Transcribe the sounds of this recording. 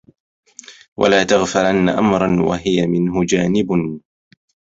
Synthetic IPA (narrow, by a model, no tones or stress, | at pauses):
wa̰laːt̪aɣfalanːaʔamɾˤɑnwa̰ɦɪjamɪnɦʊd͡ʒaːnɪbn